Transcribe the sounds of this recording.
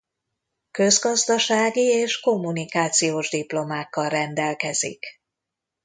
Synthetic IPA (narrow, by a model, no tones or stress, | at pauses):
kø̞zɡɒzd̪ɒʃaːɡieːʃko̞mːunikaːt̪sijoːʒd̪iplo̞maːkːɒlrɛnd̪ɛlkɛz̥ḭk